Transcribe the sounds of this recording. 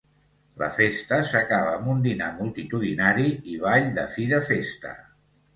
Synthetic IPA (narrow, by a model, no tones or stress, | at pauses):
lə̰fest̪əsəkaβəːmund̪inamulˠt̪it̪uðinaɾiiβ̞aʎd̪əfiðəfest̪ə̰